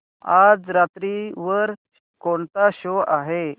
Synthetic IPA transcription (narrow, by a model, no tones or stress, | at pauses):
ad͡zɾat̪ɾiʋəɾ | koɳt̪aɕoaɦe